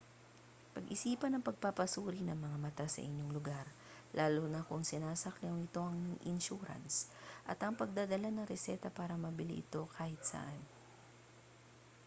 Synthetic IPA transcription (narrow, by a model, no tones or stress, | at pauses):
pɐɡʔɪsiːpɐnɐŋpɐɡ̚papɐsuːɾinɐŋmɐŋamɐt̪asɐ̰ʔɪɲo̞ŋlʊɡaɾ | laːlonɐkʊŋsɪnaːsɐklɪoŋɪt̪o̞ʔɐŋʔɪnʃuːɾɐ̰nsʔɐ̰t̪ɐŋpɐɡ̚d̪ad̪ɐlanɐŋɾɛsɛːt̪ɐpaːɾɐmɐbɪlḭʔɪt̪o̞kʰaːhɪt̪̚sɐ̰ʔan